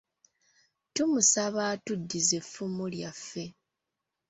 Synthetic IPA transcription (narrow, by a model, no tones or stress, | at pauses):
tumusaβaːtudːize̞fumuljafːe̞